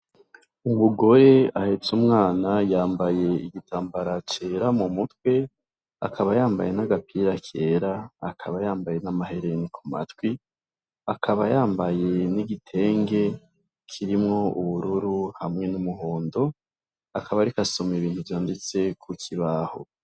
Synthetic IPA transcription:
umuɡo̞ɾe̞ahe̞t͡sumŋaːnajaːmbaje̞iɡitʰaːmbaɾat͡ʃe̞ɾamumutkwe̞ | a̰kʰaβajaːmba̰je̞naɡapʰiɾakʰe̞ːɾaakʰaβajaːmbaje̞namaɦe̞ɾenikʰuma̰twi | akʰaβajaːmbaje̞niɡitʰe̞ːŋɡe̞ | kʰiɾimŋo̞ʔuβuɾuɾuhamŋe̞numuɦoːndo̞ | akʰaβaɾikasomeβiːnthuvjaːndet͡se̞kʰukʰiβaho̰

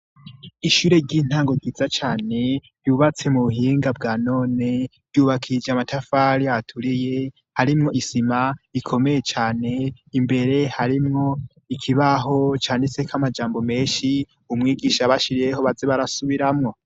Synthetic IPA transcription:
iʃuːɾe̞ɾɟiːn̥haːŋɡo̞ɟiːzat͡ʃaːne̞ | juuβat͡se̞muβuhiːŋɡabɡaːno̞ːne̞ɾjuːβakʰid͡ʒamatafaɾiaatʰuɾije̞ | haɾimŋo̞ʔisimaikʰo̞me̞je̞t͡ʃaːne̞ | imbe̞ɾe̞haɾimŋo̞ | ikʰiβaɦo̞t͡ʃaːnese̞kʰamad͡ʒaːmbo̞me̞ːnʃi | umŋiːɡiʃaβaʃiɾijeho̞βazeβaɾasuβiɾamŋo̞

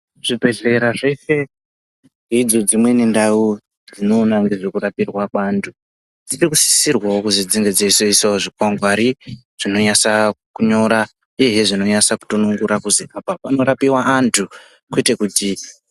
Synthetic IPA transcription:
ʐ̥ibʱe̞ɮe̞ɾaʐe̞fe̞ | ŋɡeid͡zo̞d͡zimwe̞nendau | d͡zd͡zino̞ːnaŋɡeʐirikuɾapirwakwaːntʰu | d͡zirikusi̥sirwawokuzid͡ziŋɡe̞d͡zeiseisaoʐikwaŋɡwaɾi | ʐ̥ino̞ɲasakuɲo̞ɾa | ijeɦeʐino̞ɲasaku̥tonuŋɡuɾakuziʔapapano̞ɾapiwaʔːntʰu | kuitekuti

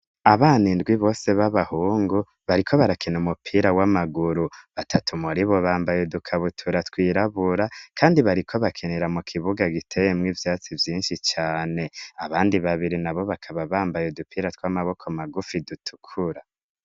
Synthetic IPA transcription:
aβaːnindɡwiβo̞ːse̞βaβahuːŋɡu | βaɾikʰo̞βaɾakʰinumupʰiːɾawamaɡuɾuβatʰatʰumuɾiβo̞βaːmbajedukʰaβutʰuɾatkwiːɾaβuɾakʰaːndiβaɾikʰo̞βakʰeneɾamukʰiβuɡaɡitʰe̞jemŋiːvjaːt͡sivjiːnʃit͡ʃaːne̞aβaːndiβaβiɾinaβo̞βakʰaβaβaːmbajodupiːɾatwamaβo̞kʰomaɡufidutʰu̥kʰuɾa

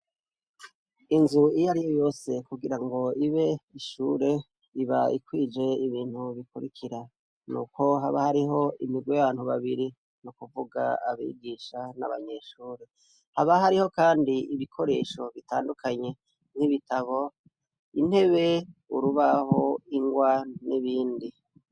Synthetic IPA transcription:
inzuijaɾijo̞jo̞ːse̞kuɡiɾaŋɡo̞iβe̞iʃuːɾe̞ | iβaikwiːd͡ʒe̞iβiːn̥huβikuɾikʰiɾa | nṵːkʰo̞ɦaβahaɾiɦo̞imiɡwejaβaːn̥huβaβiɾi | nukuvuɡa̰aβḭːɡiʃana̰βa̰ɲe̞ʃuːɾe̞ | haβaɦaɾiho̞kaːndiiβikʰo̞ɾeʃo̞βitaːndukʰaɲe̞ | n̥iβitaβo̞ | in̥he̞βe̞uɾuβaho̞iŋɡwaniβiːndi

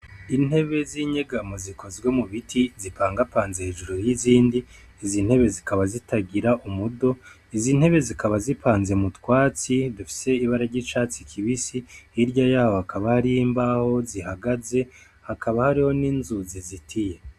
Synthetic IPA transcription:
in̥he̞βe̞ziɲeɡamozikʰo̞zɡwe̞muβitʰizipaːŋɡapaːnzeheːʒuɾoɾjiziːndiː | zin̥he̞βe̞zikaβazitaɡiɾaʔumudo̞ | izin̥he̞βe̞zikʰaβazipʰaːnzemutwaːt͡sidufi̥se̞iβaɾaɾɟit͡ʃaːt͡sikʰiβisiiɾɟajaːhohakaβahaɾijimbaho̞zihaɡaze̞ | hakʰaβahaɾiho̞niːnzuzizitʰije̞

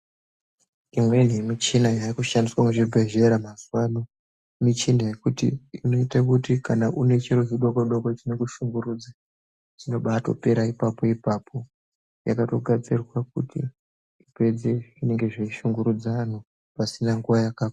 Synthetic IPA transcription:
imwe̞nemit͡ʃinajaikuʃandiswamɡeʐibʱe̞ʒe̞ɾamazuwano | mit͡ʃindaje̞kutḭino̞itakutikanaʔune̞t͡ʃiɾoziɗokoɗokot͡ʃinekuʃuŋɡuɾud͡za | t͡ʃino̞ɓato̞̰pe̞ɾaipapo̞ipapʰo̞ | ja̰kato̞ɡʱat͡sirwak̚utʰḭ | ipe̞d͡ze̞ʐine̞ŋɡe̞ʐeiʃuŋɡuɾud͡zaːn̤u | pasinaŋɡuʋajakaːka

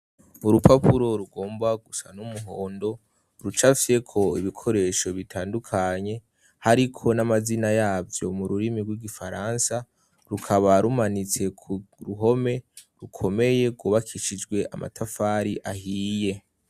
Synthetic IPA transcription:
uɾupʰapʰuɾo̞ɾuɡo̞ːmbaɡusanumuɦo̞ːndo̞ | ɾut͡ʃafsekʰo̞ḭβikʰo̞ɾe̞ːʃo̞βitʰaːndukʰaɲe̞ | haɾikʰo̞namazinajaːvjo̞̰muɾuɾimiɡwiɡifaɾansa | ɾukʰaβaɾumanit͡se̞kʰɾuɦo̞me̞ɾukʰo̞me̞je̞ɡuːβakʰiʃid͡ʒɡwe̞ʔa̰ma̰tʰafaɾiʔaɦiːje̞

